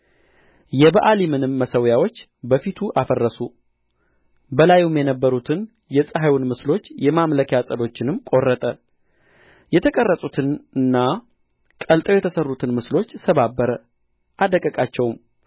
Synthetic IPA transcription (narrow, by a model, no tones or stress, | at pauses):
jɛbəʔalimɨnɨmːəsəwjawo̞t͡ʃː | bəfit̪ʰuʔafərːəsu | bəlajumjɛnəbːəɾut̪ʰɨn | jɛsʼəɦawunmɨslo̞t͡ʃːjɛmamləkjasʼəlo̞t͡ʃːɪnɨmkʼo̞rːət̪ʼə | jɛt̪ʰəkʼərːəsʼut̪ʰɨnɨnːa | kʼəlt̪ʼəwjɛt̪ʰəsərːut̪ʰɨnmɨslo̞t͡ʃːsəβabːəɾə | ʔad̪əkʼəkʼat͡ʃːɛwm